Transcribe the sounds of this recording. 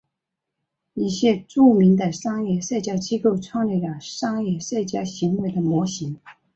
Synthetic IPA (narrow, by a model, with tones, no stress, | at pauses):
i˥˩ɕjɛ˥ʈ͡ʂu˥˩mi˧˥nd̪ə˨ʂɑ˥ŋjɛ˥˩ʂa˥˩ɪt͡ɕja˥t͡ɕi˥ko˥˩ʊʈ͡ʂʰwɑ˥˧ŋljɛ˥˩la˨˩ʂɑ˥ŋjɛ˥˩ʂa˥˩ɪt͡ɕja˥ɕi˧˥ŋwe˧˥ɪd̪ə˨mwɔ˧˥ɕi˧˥ŋ